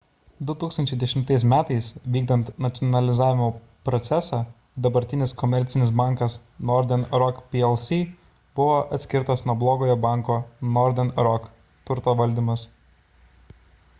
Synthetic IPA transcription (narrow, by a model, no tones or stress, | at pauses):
d̪ʊt̪uːkst̪ɐnʲt͡ʃʲɛɪd̪ʲɛʃʲɪmt̪ɐɪsmʲæːt̪ɐɪsʋʲiːɡ̚d̪ɐnt̪nɐt̪sʲɔnɐlʲɪzaːʋʲɪmoː | pɾɔt̪sʲɛsɑː | d̪ɐbɐɾʲt̪ʲɪnʲɪskɔmʲɛɾʲt̪sʲɪnʲɪsbɑˑŋkɐsnɔɾʲd̪ʲɛnɾɔkpʲiɛlˠsʲiː | bʊʋoːʔɐt̪ʲsʲkʲɪɾt̪osnuɔblˠoːɡoːjɔːbɑˑŋkoːnɔɾʲd̪ʲɛnɾɔk | t̪ʊɾt̪oːʋɐlʲd̪ʲimɐs